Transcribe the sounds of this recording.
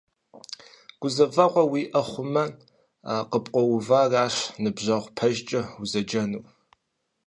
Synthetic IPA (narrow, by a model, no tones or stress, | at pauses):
ɡ̥ʷʊzɐvɐqʷɔwiːʔɐχʷʊmɐn | aqəpʼqʷʼɔwʊvaːraːʂnɨbʑɐʁʷpʰɐʒt͡ʃʼɐuzɐd͡ʒɐnuː